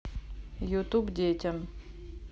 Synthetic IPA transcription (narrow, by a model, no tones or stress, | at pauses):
jut̪ubdʲetʲɐm